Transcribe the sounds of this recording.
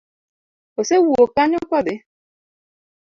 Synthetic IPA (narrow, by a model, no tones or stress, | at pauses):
osewuokaɲʊkʷɔdɪ